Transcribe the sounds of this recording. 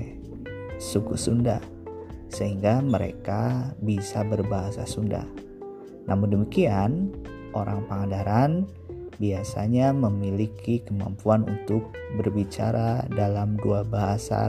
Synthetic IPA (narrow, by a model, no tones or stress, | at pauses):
sukṵsunda̰h | səɦiŋɡaməɾḛkabisabərbaɦasa̰sunda̰h | nʔamundəmikian | ʔoɾʔaŋpəŋadaɾan | biasa̰ɲaməmilikikəma̰mpuanunt̪ʊk̚ | bərbit͡ʃa̰ɾadalamduabaɦasa̰